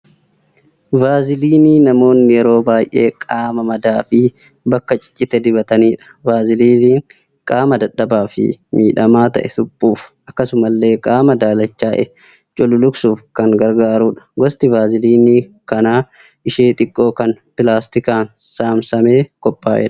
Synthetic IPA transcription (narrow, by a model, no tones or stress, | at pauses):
baːzɪliːniːnɐmo̞ːnːɪjɛɾo̞ːbaːjʔe̞ːkʼaːmɐmɐd̪aːfɪ | bɐkːɐt͡ʃʼɪ̥t͡ʃʼːɪt̪ɛd̪ɪbɐt̪ɐniːᶑɐ̥baːzɪliːniːŋ | kʼaːmɐd̪ɐᶑɐbaːfɪ̰miːᶑɐmaːt̪ɐ̰ʔɛt̪ʊpʼːuːfʔɐkːɐsʊmɐlːe̞ːkʼaːmɐd̪aːlɐt͡ʃːaːʔɛ | t͡ʃʼɔlʊlʊɡsuːfkɐŋɡɐɾɡaːɾuːᶑɐ̥ɡɔst̪ɪbaːzɪliːnikɐnaː | ʔɪʃeːt̪ʼɪkʼːo̞ːkɐnpɪlaːst̪ɪkaːn | saːmsɐme̞ːkɔpʼːaːʔɛ̰ᶑɐ̥